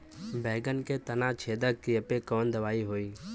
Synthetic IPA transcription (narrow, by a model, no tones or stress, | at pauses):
bʱeːɡənkeːt̪ənãːt͡ʃʰeːd̪əkiəpeːkoːnd̪əʋaːiːɦoːiː